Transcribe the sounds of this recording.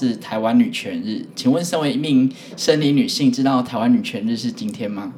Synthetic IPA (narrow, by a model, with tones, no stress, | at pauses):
ɻ̩˥˩t̪ʰa˧˥ɪwa˦˥nny˨˩t͡ɕʰɥɛ˧˦nɻ̩˥˩t͡ɕʰi˨˩ŋwə˥˨nʂə˥ŋwe˧˥ɪ˧mi˥˧ŋ | ʂə˥˩nli˧˥ny˨˩ɕi˥˧ŋʈ͡ʂɻ̩˥t̪ɑ˥˩ʊt̪ʰa˧˥ɪwa˦˥ny˨˩t͡ɕʰɥɛ˧˥nɻ̩˥˧ʂɻ̩˥˩˨t͡ɕi˥nt̪ʰjɛ˥nma˧